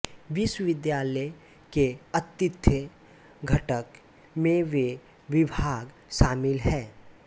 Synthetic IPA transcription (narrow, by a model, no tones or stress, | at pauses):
ʋɪswʋɪd̪jaːlə | keət̪ːɪt̪ʰːə | ɡʱəʈək | mẽʋe | ʋɪbʱaːɡ | ʃaːmɪlɦɛː